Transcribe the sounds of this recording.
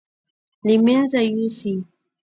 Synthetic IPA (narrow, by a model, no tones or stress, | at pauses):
limɛnzajusi